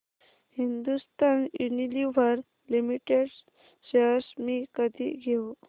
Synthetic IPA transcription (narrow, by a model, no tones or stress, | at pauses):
hind̪ust̪aniniliʋəɾ | limiʈeɽ | ɕeɦsmiːkəd̪ʱḭɡʱe